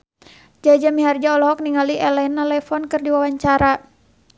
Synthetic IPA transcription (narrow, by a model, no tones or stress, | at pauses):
d͡ʒad͡ʒamiɦard͡ʒaɔlɔɦɔk̚niŋaliʔɛlɛnalɛfɔnkɨrdiwawaɲt͡ʃaɾa